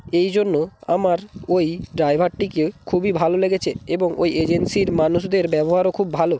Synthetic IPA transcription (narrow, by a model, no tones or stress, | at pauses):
ejd͡ʑonːoa̰maɾojɖɾajbʱaɾʈːikekʰubibʱaloleɡet͡ɕʰeeboŋo̰jed͡ʑensiɾmanuʃd̪eɾbɛboɦaɾokʰubːʱalo